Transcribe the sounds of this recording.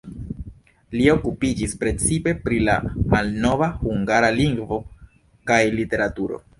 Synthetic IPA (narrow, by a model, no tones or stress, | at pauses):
lio̞kupid͡ʒispɾe̞t͡sipe̞pɾila̰malno̞vahuŋɡaɾaliŋɡvo̞ | kajlite̞ɾatuɾo̞̰